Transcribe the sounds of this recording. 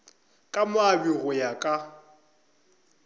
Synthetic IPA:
kʼamʊabiɣʊjakʼa

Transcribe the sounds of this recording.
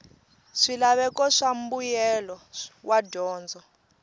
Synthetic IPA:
ʂilaβɛkɔʂam̩bujɛlɔwʔadɔːnd͡zʱɔ

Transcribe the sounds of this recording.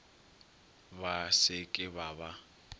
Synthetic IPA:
basɪkʼɪbaba

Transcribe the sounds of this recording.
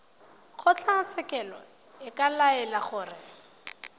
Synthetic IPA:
χʊt͡ɬʰat͡sɛkɛlɔ̰ | ɪkalaɛlaχʊːrɪ

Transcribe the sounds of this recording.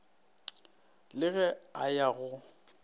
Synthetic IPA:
lɪɣɛajaɣʊ

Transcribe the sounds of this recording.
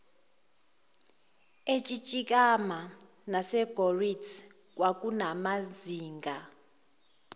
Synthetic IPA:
et͡ʃʼit͡ʃʼik̬ʼama | nasɛɡ̥ʱoritʰ | k̬ʼwak̬ʼunamaziːŋɡʱa

